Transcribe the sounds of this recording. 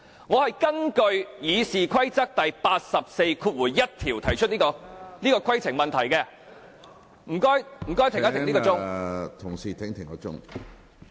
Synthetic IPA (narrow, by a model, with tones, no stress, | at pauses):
ŋɔː˨˧hɐ˨jkɐ˥ŋkɵ˧ɥjiː˨˧siː˨kʰwɐ˥jt͡sɐ˥k̚t̪ɐ˨jpaː˧t̚sɐ˨p̚se˧jkʰu˧t̚wuː˨˩jːɐ˥t̚t̪ʰiː˨˩wt̪ʰɐ˨˩jt͡ʃʰɵ˥t̚niː˥kɔː˧niː˥kɔː˧kʰɐ˥jt͡sʰɪ˨˩ŋmɐ˨nt̪ʰɐ˨˩jkɛː˧ | m̩˨˩kɔː˥jm̩˨˩kɔː˥jt̪ɪ˨ŋɐ˥t̪ʰɪ˨˩ŋli˥kɔːt͡sʊ˥ŋŋt̪ʰʊ˨˩ŋsiː˨˩t̪ʰɪ˨˥ŋt̪ʰɪ˨˩ŋkɔ˧˥t͡sʊ̰˥ŋ